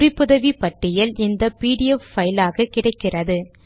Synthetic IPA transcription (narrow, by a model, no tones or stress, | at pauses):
ʊrɪpːɯðɐʋipɐʈːɪjɪlɪnd̪ɐpiːɽɪjɛffɐjlaːɣɐkːɪɽɐɪkːɪrɐðɯ